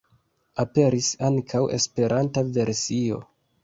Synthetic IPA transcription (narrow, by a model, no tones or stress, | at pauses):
ape̞ɾisaŋkʰawe̞̰spe̞ɾʔantave̞ɾsio̞̰